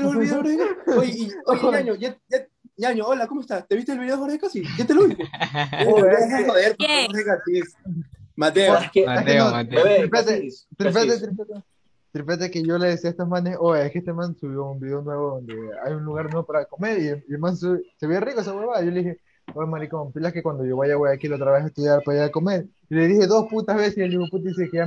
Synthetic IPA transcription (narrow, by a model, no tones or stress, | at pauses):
lolβiðooɾeaookoɲaɲojaa | ɲaɲoolakomoest̪at̪e̞βist̪elβiðeofoɾðekasiʝat̪eloβist̪ooaexeoðeɾpooɾeɡat̪ismat̪eekenoɾipet̪et̪ɾipet̪et̪ɾipet̪e | t̪ɾipet̪ekeʝo̞leðesiaest̪omãnesoehkeest̪emãnsuβjounbiðeonwe̞βoðond̪e̞ajunluɣaɾnwe̞βopaɾakome̞ɾieiemansuβeseβjerikoesaweβaʝo̞lixe̞ | omaɾikopilahkekwand̪o̞ʝo̞βajaβojakilaot̪ɾaβesest̪uðjaɾpaeɾako̞me̞ɾ | ile̞ðixe̞ðo̞sput̪azβe̞seselimoput̪isekea